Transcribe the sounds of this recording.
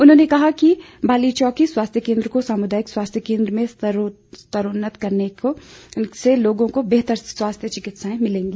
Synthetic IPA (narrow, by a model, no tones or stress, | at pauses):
ʊnɦõːnekɐɦaki | bʱaːlit͡ʃɔːkiswaːst̪ʰjəkẽːnd̪ɾəkosaːmʊd̪aːjɪkswaːst̪ʰjəkẽːnd̪ɾəmẽ | st̪əɾʊnːət̪kɐɾneoseloːɡõkobeːɦt̪əɾswaːst̪ʰjət͡ʃɪkɪt̪saẽmɪlẽːŋɡiː